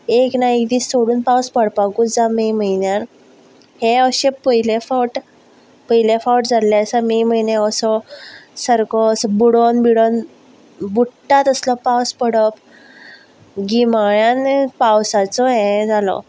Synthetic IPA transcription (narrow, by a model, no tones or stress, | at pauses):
eknaek̚d̪iːssoɽuːnpawspəɽpaɡuːt͡sd͡zamem̤əjnjan | hẽəɕepəilefawʈ | pəjlefawʈd͡zʱaljasamem̤əjnẽəsɔsəɾkɔsbuɽonbiɽon | buʈːat̪əslɔpawspəɽəp | ɡimaɭjanpawsat͡sɔɦẽd͡zʱalɔ̰